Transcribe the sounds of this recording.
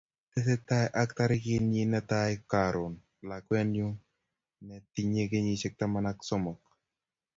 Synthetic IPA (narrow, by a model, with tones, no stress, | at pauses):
tɪ˦sɪ˦ta˦jʔa˦kt̪a˦ɾɪ˦kɪ˦nji˦nɛ˦t̪a˦jka˨ɾʊ˨n | la˨kwɛ˦njʊ˦ | nɛ˨t̪i˦ɲe˦ke˦ɲi˦ʃɪ˦k̚t̪a˦ma˦na˦ksɔ˦mɔ˨k̚